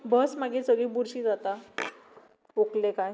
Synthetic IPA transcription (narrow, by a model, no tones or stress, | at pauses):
bəsmaɡesəɡɭiːbuɾɕiːd͡zat̪a | oklekaj